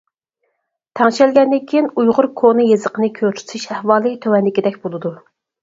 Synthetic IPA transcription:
t̪ʰɛŋʃɛlɡʲɛnːɪkʲʰiinujʁʊɾkʰonɨjezəqənɨkʲʰøt͡ʃʰy̥t̪ʰiʃɛhwɑːlˠɨt̪ʰøwɛnlɪkʲid̪ɛkʲbolˠɨd̪u

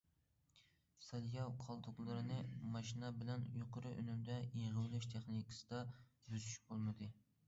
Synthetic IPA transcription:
sɑljɑwqʰɑlˠd̪ʊqlˠɨɾɨnɨmɑʃinɛbɪlɛnjoqʰʊɾɨʔø̰nymd̪ɛjeʁɨwlˠɪʃt̪ʰeχnikʰɨ̥sɨd̪ɑbyzyʃbolˠmɨd̪ɨ

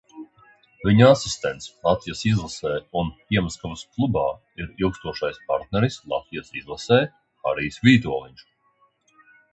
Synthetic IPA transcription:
viɲasist̪ɛnt̪slˠat̪vijasizlˠasɛːunpiɛmaskɔvɐsklˠubaː | iɾilˠkst̪uɔʃajspaɾt̪̚nɛɾislˠa̰t̪vijasizlˠasɛː | a̰ɾijsvʲiːt̪uɔlˠiɲʲt͡ʃ

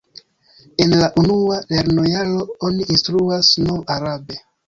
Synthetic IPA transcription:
e̞nlaʔunuale̞ɾno̞jalo̞oniːnstɾuasno̞waɾabe̞

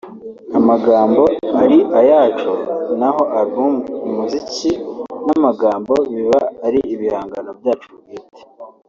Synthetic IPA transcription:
amaɡaːmbo̞aɾiʔajaːt͡ʃonaɦo̞ʔaɾiumuzicinamaɡaːmbo̞βiβaːɾiʔiβihaːŋɡanobjaːt͡ʃubɡiːte̥

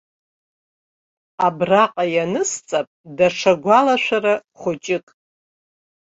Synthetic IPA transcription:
abraqʼajanɨst͡sʼapʼdaʂaɡʷalaʃᶣʷaɾaχʷʊt͡ʃʼɪkʼ

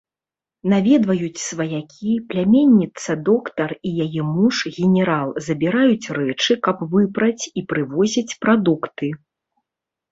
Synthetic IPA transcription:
navʲɛd̪vɐjut͡sʲsvɐjakʲʰiplʲamʲenʲːit̪sɐd̪ɔkt̪ɐrijajɛmuʂɣʲɛnʲɛɾalˠzɐbʲiɾajut͡sʲrɛt͡ʂɨkɐpvɨpɾɐt͡sʲipɾɨvɔzʲit͡sʲpɾad̪ukt̪ɨ

